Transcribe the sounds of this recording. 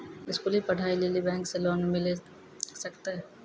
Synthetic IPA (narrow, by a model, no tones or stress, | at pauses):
ɪskulipɐɽ̤ʱaːileːlibɛ̃ːŋkselɔːnmɪle | sɐkt̪aɦɛː